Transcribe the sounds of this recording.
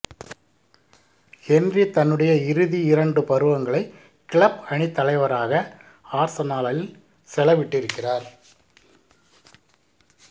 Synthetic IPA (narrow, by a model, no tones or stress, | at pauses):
hɛndrit̪ɐnːɯɽɐjɐɪɾɯðiɪɾɐɳɖɯpɐɾɯʋɐŋɡɐɭɐɪ | kɪɭɐpɐɳɪt̪ːɐlɐɪʋɐɾaːɣɐ | aːɾsɐnaːlɐl | sɛlɐʋɪʈːɪɾɯkːɪraːɾ